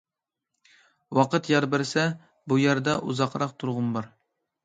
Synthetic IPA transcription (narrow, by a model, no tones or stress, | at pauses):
wɑqət̪jɑɾbɪɾsɛ | bujæɾd̪ɑʔuzɑqɾɑqt̪ʰuɾʁʊmbɑɾ